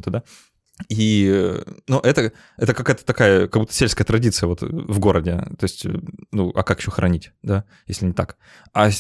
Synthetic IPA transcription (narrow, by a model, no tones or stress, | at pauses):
ut̪əd̪a | i | nuʔɛt̪ə | ɛt̪əkɐkajət̪ə̥t̪ɐkajəkɐɡbut̪ːə̥sʲelʲskəjət̪ɾɐdʲit̪sɨjəvo̞t̪vɡo̞ɾədʲɪt̪o̞ɪsʲtʲnuʔɐ̰kakɪ̥ɕːoxɾʔɐ̰nʲitʲd̪a | jesʲlʲɪnʲɪt̪ak | ɐ